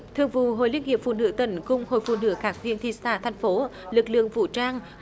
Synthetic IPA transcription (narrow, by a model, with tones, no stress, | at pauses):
t̪ʰɨ˨əŋvṵ˧˨ɦo̰˧˨jli˧ənŋi˨˩əp̚fṵ˧˨nɨ̰˧˥t̪ə˧˩nkʊ˧ŋ͡mho̰˧˨jfṵ˧˨nɨ̰˧˥kaː˧˩k̚vi˧ənt̪ʰi˧˩st̪aː˧˩t̪ʰɛ˨˩jŋ̟fo˨˦ | lɨ˨˩k̚lɨ̰˧˨əŋvṵ˧˨t͡ɕaː˧ŋ